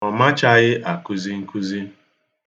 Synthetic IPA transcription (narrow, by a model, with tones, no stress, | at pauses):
ɔ˨ma˦t͡ʃa˦ɣɪ˦ʔa˨ku˦zi˦ŋ̩˦ku˦zi˦